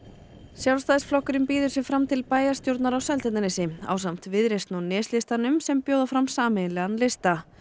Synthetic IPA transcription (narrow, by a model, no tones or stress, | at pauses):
sjawlst̪aːðɪsflɔhkʏɾɪmpiːðʏɾ̥sjɛfɾamt̪ʰɪlpaːjast̪jowɾt̪naɾawsɛlt̪ɛt̪anɪsɪa̰ːwsam̥t̪vɪðɾejst̪nanɪːslɪst̪anʏmsɛmpjoːwðafɾamsaːmɪnlɛɣanlɪst̪a